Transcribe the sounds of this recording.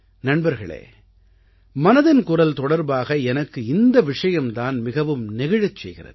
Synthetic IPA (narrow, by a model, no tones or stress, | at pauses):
nɐɳbɐɾɣɐɭḛː | mɐnɐðɪnkʊrɐlt̪ɔɽɐɾbaːɣɐɛnɐkːɯɪnd̪ɐʋɪʂɐjɐmt̪aːnmɪɣɐʋɯmnɪɣɐɻɐt͡ʃːsɛjɣɪrɐ̰ð